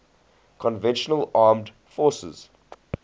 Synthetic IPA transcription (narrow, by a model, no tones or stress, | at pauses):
kʰɔ̃nvɛ̃nʃənəlaːmd | fɔːˑsə̰z̥